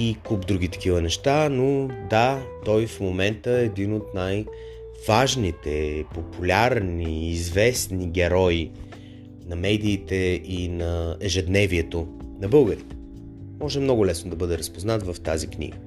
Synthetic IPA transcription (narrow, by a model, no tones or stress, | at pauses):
ikubd̪ɾuɡ̟ʲit̪ɐ̥kivənɛʃt̪anod̪at̪ɔjfmomɛnt̪əɛd̪inot̪naj | vaʒnit̪ɛpopulʲaɾniːzvɛsniɡʲɛɾɔi | nɐmɛd̪iːt̪ɛinɐɛʒɛd̪nɛviɛt̪onɐbɤlˠɡəɾit̪ɛ̥ | mɔʒɛmnɔɡʊlɛsnod̪ɐbɤd̪ɛɾəspoznat̪vɐft̪aziknʲḭɡə